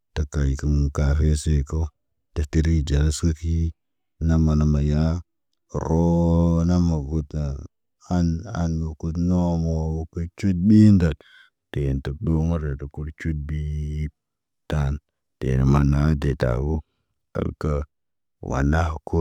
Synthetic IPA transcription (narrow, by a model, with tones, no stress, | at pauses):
ta˦ka˨ji˨kə˦mu˨ka˨fe˦se˦ko˦ | ta˨ti˦ɾi˦d͡ʒa˨ɾa˦skə˦ki˦ | na˦ma˨na˨ma˨ja˦˨ | ɾo˦na˦ma˨ɡu˦tna˨ | a˦na̰˨nmu˨ku˦tno˦mo˨wu˦kə˦t͡ʃu˦t̚ɓi˦nda˨t | te˨ntə˦k̚ɗo˦ma˦ɾe˨tə˨ku˦ɾt͡ʃu˦t̚bi˦ | ta˦n | tḛ˨nə˨ma˨na˦de˨ta̰˨bu˦ | ka̰˨lka˦ | wa̰˨na˦hko˦